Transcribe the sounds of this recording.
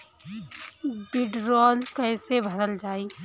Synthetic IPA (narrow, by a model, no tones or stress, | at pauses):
bɪɖɾɔːlkəːsebʱəd̪əld͡ʒaːiː